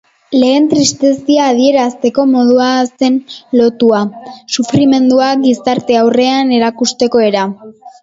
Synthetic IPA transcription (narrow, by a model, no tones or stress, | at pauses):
le̞ːnt̪ɾist̪e̞siaːð̞ie̞ɾast̪e̞ko̞mo̞ð̞uase̞nlo̞t̪uasufɾime̞nd̪uaɡisaɾt̪e̞awre̞ane̞ɾakust̪e̞ko̞e̞ɾa